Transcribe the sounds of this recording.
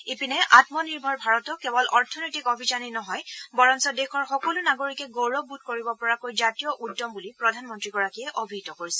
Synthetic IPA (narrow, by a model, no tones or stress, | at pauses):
epinɛʔatmɔniɹbʱɔɹbʱaɹɔtɔkɛbɔlʔɔɹtʰɔnɔjtikobʱizaninɔɦɔjbɔɹɔnsɔdexʰɔɹxɔkɔlunaɡoɹikɛɡowɹɔbud̚koɹibɔpɔɹakojzatijɔʔudːɔmbulipɹɔdʱanmɔntɹiɡɔɹakiɛʔobʱitɔkoɹisɛ̥